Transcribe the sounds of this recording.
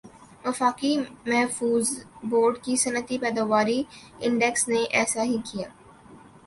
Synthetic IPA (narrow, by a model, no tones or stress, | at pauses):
ʋɐfaːkimɛɦfuːzboːɾɖkisɐnət̪ipɛːd̪aːʋaːɾiɪ̃ɳɖɛksneʔɛːsaɦikijaː